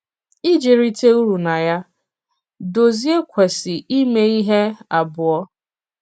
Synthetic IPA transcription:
i˦d͡ʒe˨ɾi˦te˦u˦ɾu˨na˨ja˦ | do˨zi˦e˦kʷʰe˨sɪ˨ʔi˦me˦i˦ɦe˦a˨bʊ˨ɔ˦

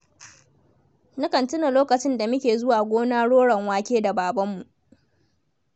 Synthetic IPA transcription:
nʊ˦kɐ˨ntʊ˦na˨loː˦kɐ˨t͡ʃɪ˦nda˨mʊ˦kʲeː˨zʊ˦waː˨ɡʷoː˦naː˦ɽoː˦ɽɐ˨ŋwaː˦kʲeː˦da˨baː˨bɐ˦mːu˨ʔ

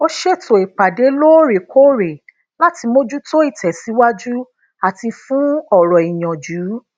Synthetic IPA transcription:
o˦ʃe˦˨to˨e˨k͡pa˨de˨˦lo˦˨ɾe˨ko˦ɾe˨ | la˦ti˧mo˦d͡ʒu˦to˦i˦˨tʰɛ˨si˨˦wa˦d͡ʒu˦ | a˨ti˧fũ˦ɔ˦˨ɾɔ˨i˨j̃ɔ̃˨d͡ʒuː˨˦

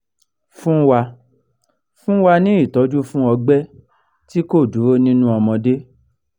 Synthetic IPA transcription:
fũ˦wa˧ | fũ˦wa˧nĩ˦i˦˨tɔ˨˦d͡ʒu˦fũ˦ɔ˧ɡ͡bɛ˦ | ti˦ko˦˨du˨˦ɾo˦nĩ˦nũ˦ɔ˧mɔ̃˧de˦

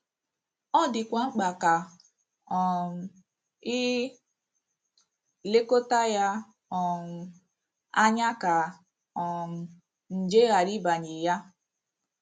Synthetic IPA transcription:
ɔ˦dɪ˨kʷa˨ŋ͡m̩˦ɡ͡ba˨ka˨ | ɔ˨m̩˨ | i˦ | le˦ko˦ta˦ja˦ | ɔ˨m̩˨ | a˦ɲa˦ka˨ | ɔ˨m̩˨ | n̩˨d͡ʒe˦ɣa˨ɾi˦ba˨ɲi˨ja˦

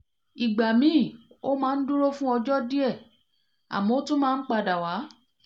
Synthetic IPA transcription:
i˨ɡ͡ba˨mĩ˨˦˨o˦mãː˦˧n̩˦du˦ɾo˦fũ˦ɔ˧d͡ʒɔ˦di˦ɛ˦˨ | a̰˨mɔ̃˨o˦tũ˦mãː˦˧n̩˦k͡pa˧˨da˨wa˨˦

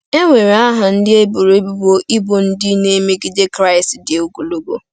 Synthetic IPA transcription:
e˦ŋʷe˨ɾe˨a˦ɦa˨n̩˦dɪ˦e˦bu˨ɾe˦bu˦˨bo˦ʔi˦bo˨n̩˦dɪ˦ne˦me˦ɡi˦de˦kɾa˦˨ɪ˨stdɪ˨u˦ɡu˨lu˦bo̰˦

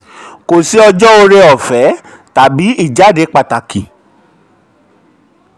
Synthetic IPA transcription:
ko˨si˨˦ɔ˧d͡ʒɔ˦o˧ɾe˧ɔ˨fɛ˨˦ | ta˨bi˨˦i˦˨d͡ʒa˨˦˨de˨˦k͡pa˧˨ta˨ki˨

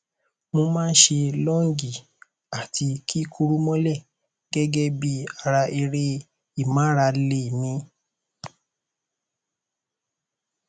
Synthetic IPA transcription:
mõ˧mãː˦n̩˦ʃe˧lɔ˦ŋ̩˦ɡi˦˨ | a˨tʰi˧kʰi˦kʰu˧ɾu˦mɔ̃˦lɛ˦˨ | ɡ̥ɛ˦ɡɛ˦bi˧a˧ɾa˧i˧ɾe˦ | i˦˨mãː˨˦ɾa˧le˧˨nĩ˨˦

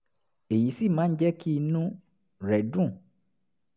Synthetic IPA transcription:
e˨ji˨˦si˦˨mãː˦n̩˦d͡ʒɛ˦ki˦i˧nũ˦ | ɾɛ˨dũ˦˨

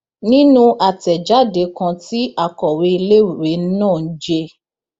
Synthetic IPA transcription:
nĩ˦nũ˦ʔa˨tɛ˨d͡ʒa˨˦de˨˦kã˧ti˦a˦˨kɔ˨we˨˧i˧le˦u˨ɾe˨˦n̩˦nãː˦˨n̩˦d͡ʒe˧

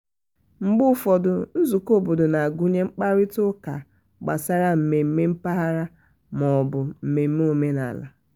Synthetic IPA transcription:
ŋ͡m̩˨ɡ͡bʊ˦fɔ˨dʊ˨n̩˦zu˨ko˦˨bo˨dʊ˨na˨a˨ɡu˦ɲe˦ŋ͡m̩˦k͡pa˦ɾɪ˦tʊ˦ka˨ | ɡ͡ba̰˨sa˦ɾa˦m̩˨me˨m̩˦me˦m̩˦pa˦ɦa˦ɾa˦ | mɔ˨bʊ˨m̩˨me˨m̩˦me˦o˨me˦na̰˨la̰˨

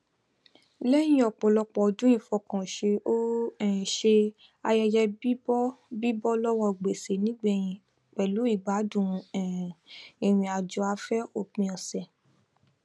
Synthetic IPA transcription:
le˦j̃ĩ˧˦ɔ˨k͡pɔ˨lɔ˧k͡pɔ˨dũ˦ĩ˦˧˨fɔ˧˨kã˨ʃe˧ʔo˦ɛ̃˦˨ʃe˧ | a˧jɛ˧d͡ʒɛ˧bi˦bɔ˦bi˦bɔ˦lɔ˦wɔ˧˨ɡ͡be˨se˨nĩ˨˦ɡ͡bɛ˦˨jĩ˧ | k͡pɛ˨lu˨˦i˦˨ɡ͡ba˨˦dũ˦˨˧ɛ̃˨ĩ˨ɾ̃ĩ˧a˨d͡ʒu˧˦a˧fɛ˦o˦˨k͡pĩ˧ɔ̃˨sɛ˨

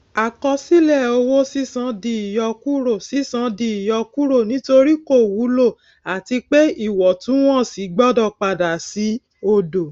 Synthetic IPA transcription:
a˨kɔ˧si˦lɛ˦˨o˧wo˦si˦sã˨˧˦di˧i˨jɔ˧ku˦ɾo˦˨si˦sã˨˧di˧i˨jɔ˧ku˦ɾo˦˨nĩ˦to˧ɾi˦ko˦˨wu˨˦lo˦˨ | a˨ti˧k͡pe˦i˦˨wɔ˨tũ˨˦w̃ɔ̃˦˨si˨˦ɡ͡bɔ˦dɔ˧˨k͡pa˨da˨si˨˦ | o˧do˨

